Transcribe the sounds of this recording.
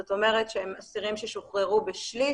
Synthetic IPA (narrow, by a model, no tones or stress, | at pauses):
ot̪ome̞ʁetʃehemasiʁimʃeʃoχʁeʁubeʃli